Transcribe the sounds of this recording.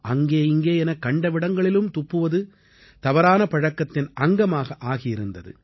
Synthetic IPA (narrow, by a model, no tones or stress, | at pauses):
ʔɐŋɡeːɪŋɡeːɛnɐkːɐɳɖɐʋɪɽɐŋɡɐɭɪlɯmt̪ʊpːɯʋɐðɯ | t̪ɐʋɐɾaːnɐpɐɻɐkːɐt̪ːɪnʔɐŋɡɐmaːɣɐʔaːɣɪjɪɾɯnd̪ɐðɯ̰